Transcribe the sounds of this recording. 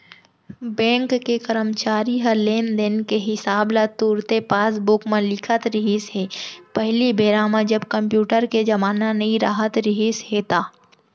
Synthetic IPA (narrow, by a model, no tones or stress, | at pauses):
bɛ̃ːŋkːekəɾəmt͡ʃaːɾiɦɐleːnd̪ɪnkeɦɪsaːblat̪uːɾt̪epaːs̬bʊkmẽlɪkʰət̪ɾɪɦisɦeːpəɦlibeːɾaːmãd͡ʒɐbkɐ̃mpjuːʈəɾked͡ʒɐmaːnanɐĩɾa̰ːɦət̪ɾɪɦisɦet̪aː